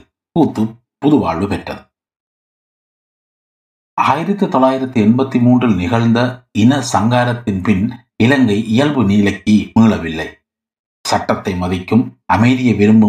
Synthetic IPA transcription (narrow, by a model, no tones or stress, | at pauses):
puːt̪ːɯ | pʊðʊʋa̰ːɭːɯpɛʈrɐ̰ðɯ | ʔaːjɪɾɐt̪ːɯt̪ɔlːaːjɪɾɐt̪ːɯɛnbɐt̪ːimuːndrɪlnɪɣɐɭnd̪ɐɪnɐsɐŋɡaːɾɐt̪ːɪnpɪn | ɪlɐŋɡɐɪʔɪjɐlbɯniːlɐkːimiːɭɐʋɪlːɐɪ | sɐʈːɐt̪ːɐɪmɐðɪkːɯmʔɐmɐɪðɪjɐʋɛɾɯmbɯ